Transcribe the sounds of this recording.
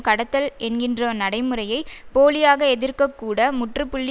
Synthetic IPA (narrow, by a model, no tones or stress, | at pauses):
kɐɽɐt̪ːɐlɛnɡɪndrɐnɐɽɐɪmɯrɐjɐɪpoːlɪjaːɣɐɛðɪrkɐkːuːɽɐmʊʈrɯpʊɭːɪ